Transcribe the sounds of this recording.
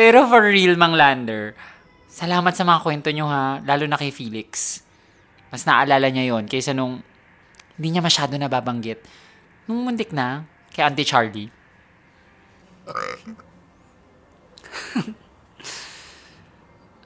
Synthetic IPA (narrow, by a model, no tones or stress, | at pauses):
pɛːɾofɐɹːilmɐŋland̪ɛɹ | sɐlaːmɐt̪̚sɐmɐŋakwɛnt̪oɲoɦalaːlonɐkɐjfiːlɪks | mɐsnɐʔɐlaːlɐɲajo̞nkɐjsɐnoŋ | hɪnd̪iːɲɐmɐʃaːd̪o̞nɐbaːbɐŋɡɪt̪̚ | nʊŋmʊnd̪ɪk̚nɐ | kɐjʔant̪ɪt͡ʃaɹli